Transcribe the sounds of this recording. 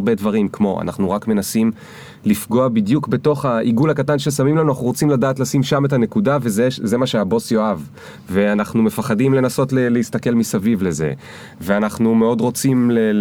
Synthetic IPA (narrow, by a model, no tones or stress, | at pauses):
be̞dvaʁimkmo̞ʔa̰na̰χnuʁakme̞nasim | lifɡo̞abidjukbe̞to̞χhaʔiɡulhakatanʃe̞samimlanuanaχuʁot͡simladaːtlasimʃame̞tane̞kudavezeze̞maʃe̞abo̞sjo̞av | veanaχnume̞faχadimle̞naso̞tleleistake̞lmisavivle̞zḛ | ve̞anaχnume̞o̞dʁo̞t͡simle